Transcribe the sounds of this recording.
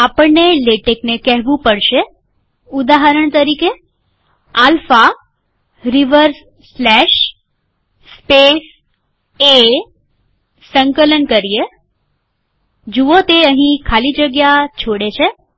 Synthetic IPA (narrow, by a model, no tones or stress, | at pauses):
apəɳneleʈeknekɛɦʋũpəɽʃe | ud̪aɦəɾəɳt̪əɾike | alfa | ɾiʋəɾs | slɛʃ | spes | e | səŋkələnkəɾie | d͡ʒuot̪eəɦĩkʰalid͡ʒəɡjat͡ʃʰoɽet͡ʃʰe